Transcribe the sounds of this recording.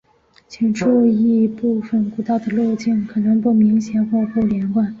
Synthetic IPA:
t͡ɕʰi˨˩ŋʈ͡ʂu˥˧i˥˧pu˥˩fə˩nku˨˩t̪ɑ˥˩ʊd̪ə˩lwo˥˧ʊt͡ɕi˥˩ŋkʰɤ˨˩nɤ˧˥ŋpu˥˩mi˧˥ŋɕjɛ˨˩nxwɔ˥˧xɔ˥˩ljɛ˧˥nkwa˥˩n

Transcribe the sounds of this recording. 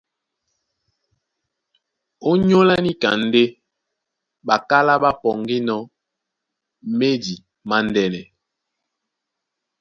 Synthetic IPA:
o˦ɲo˦la˦ni˦ka̰˨n̩˦de˦ | ɓa˨ka˦la˦ɓa˦pɔ˨ŋɡi˦nɔ˦ | me˦di˨ | ma˦ndɛ˦nɛ˨

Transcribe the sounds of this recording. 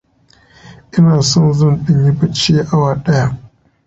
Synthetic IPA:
ʔɪ˦naː˨sɔ˦nzɐ˦nɗɪ˦˨ɲji˦bɐ˦t͡ʃiː˦ʔa˦waː˨ɗɐ˦ja˦ʔ

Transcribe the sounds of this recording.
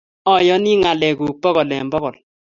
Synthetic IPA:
ɔ˨jɔ˦ni˦ŋa˨lɛ˨ku˨k̚pɔ˦ɣɔ˨lɛ̰˨mbɔ˦kɔ˨l

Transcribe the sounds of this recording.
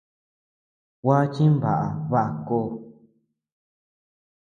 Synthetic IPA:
wʷa˦t͡ʃĩ˦βa̰˨ʔa˨βa˦ʔa˧koː˧˦

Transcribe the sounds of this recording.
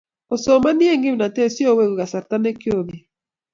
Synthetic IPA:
o˨so˨ma˦ni˦e˦ŋɡi˦m˨na˨te˦si˦o˦˨we˦wu˨ɣa˨sa˨ɾta˦ne˦kjo˦˨ði˨

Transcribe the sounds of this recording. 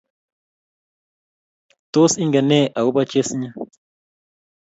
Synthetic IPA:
to˦si˦ŋɡa˨nɛ˦˨ʔa˨wu˦ba˦t͡ʃe˦sɲa˦

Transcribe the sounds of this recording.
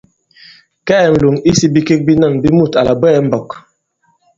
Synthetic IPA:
kɛː˦˨n̩˨lu˨ŋi˦si˦bi˦ke˦k̚bi˦na˦˨ŋbi˦mu˦˨ta˨la˨bwɛː˦m̩˦bɔ˨k

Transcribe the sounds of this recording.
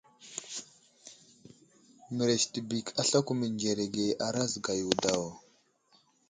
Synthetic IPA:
mə˨ɾe˨ʃti˨bi˨kʰa˨ɬa˦ku˦mə˨nd͡ʒe˨ɾe˨ɡe˨ʔa˨ɾa˦zɡa˨ju˨da˨w

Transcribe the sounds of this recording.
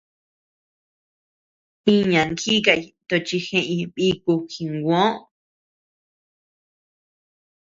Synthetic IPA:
ĩ˦ɲã˨ŋki˦ka˧˨i˧t̪o˧t͡ʃi˧xẽ˧ʔĩ˧βi˦˧ku˧xĩ˧ŋɡʷõ˦ʔ

